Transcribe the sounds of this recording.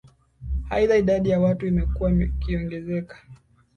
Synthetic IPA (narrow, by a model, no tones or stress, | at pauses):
ha̰iðaiɗaɗijawatuimɛkuwakiɔŋɡɛzɛkḁ